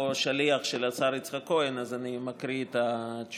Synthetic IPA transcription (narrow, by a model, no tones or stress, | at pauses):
ʃaliaχʃelat͡saɾit͡sχako̞enazanimakʁiet̪at͡ʃ